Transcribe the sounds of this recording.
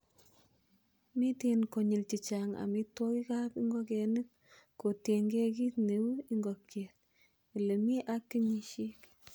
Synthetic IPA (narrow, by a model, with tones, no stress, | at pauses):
mi˦tenko˨ɲi˨lt͡ʃi˨t͡ʃa˨ŋa̰˨mi˦to˦ki˦ka˦pi˦ŋɡɔ˦kɛ˨nɨ˦kː | o˨tje˨ŋɡe˦k̬i˦tne˨wu˦i˦ŋɡɔ˨kːje˨t̚ | le˨mi˦ʔa˦kːi˦ɲi˦ʃi˦k